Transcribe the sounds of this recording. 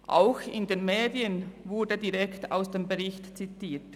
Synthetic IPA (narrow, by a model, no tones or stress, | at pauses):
ʔa̰ʊxɪndeːnmeːdiənvʊɹdədiʁɛkta̰ʊsd̥eːmbəʁɪçtt͡sitiːt